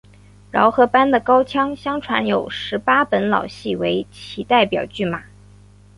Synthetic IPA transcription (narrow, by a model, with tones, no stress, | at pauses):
ɻɑ˧˥ʊxɤ˧˥pa˥nd̪ə˨kɑ˥ʊt͡ɕʰjɑ˥ŋɕjɑ˥ŋʈ͡ʂʰwa̰˧˥njo˨˩ʊʂɻ̩˧˥pa˥pə˧˥nlɑ̰˨˩ʊɕi˥˩we˧˥ɪt͡ɕʰi˨˩t̪a˥˩ɪpjɑ˨˩ʊt͡ɕy˥˩ma˨˩˦